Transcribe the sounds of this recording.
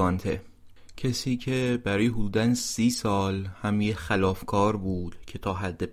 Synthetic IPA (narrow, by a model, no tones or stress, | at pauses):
ɒːnt̪ʰḛ | cʰesiːcʰe̞bæɾɒːjeɦod̪uːd̪ænsiːsɒːlhæmjexælɒːfkʰɒːɾbuːd̪̥cʰe̞t̪ʰɒːɦæd̪ːe